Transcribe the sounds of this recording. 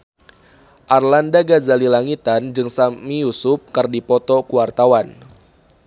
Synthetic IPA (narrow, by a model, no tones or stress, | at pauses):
ʔarlandaɡazalilaŋit̪and͡ʒɨŋsamijusʊp̚kərdipɔt̪ɔkuwart̪awan